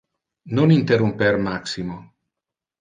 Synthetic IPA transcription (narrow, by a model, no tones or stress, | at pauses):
nonint̪erumpermaksimo